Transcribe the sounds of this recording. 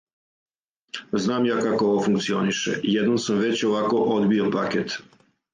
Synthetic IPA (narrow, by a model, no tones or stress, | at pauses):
znaːmjaːkakooʋofuŋkt̪sio̞niʃḛjed̪nomsamʋe̞t͡ɕoʋako̞ʔod̪biopaket̪